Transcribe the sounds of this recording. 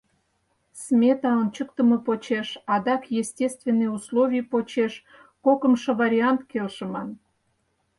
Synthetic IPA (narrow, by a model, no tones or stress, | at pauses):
smʲet̪ɑont͡ɕəkt̪əmɤpot͡ɕeʃɑd̪ɑkjesʲtʲest̪vʲenːejuslˠovʲijpot͡ɕeʃ | kokəmʃovɑɾʲiɑnt̪kelʃə̆mɑn